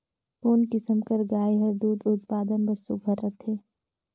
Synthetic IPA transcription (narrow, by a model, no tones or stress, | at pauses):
foːnkɪsəmkɐɾɡaːiɦɐɾd̪uːd̪ʊt̪̚paːd̪ənbɐsuɡʱɐɾːɐt̪ʰeː